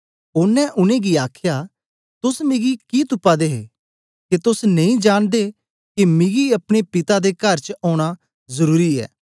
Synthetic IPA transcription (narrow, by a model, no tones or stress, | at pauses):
ʊnːɛ̃ʔʊnẽɡiaːkʰja | t̪ʊsmɪɡikit̪ʊpːad̪eːɦḛ | kit̪ʊsnɐ̃ĩd͡ʒaːɽ̃d̪e | kimɪɡiɐpɽ̃epɪt̪ad̪ekɐɾt͡ʃɔːɽ̃a | zɐɾuːɾiɛ̰ː